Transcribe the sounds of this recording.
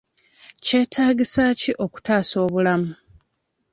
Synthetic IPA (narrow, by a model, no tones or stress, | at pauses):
ce̞ːtʰaːɡisaːciʔo̞ku̥taːso̞ːβulamu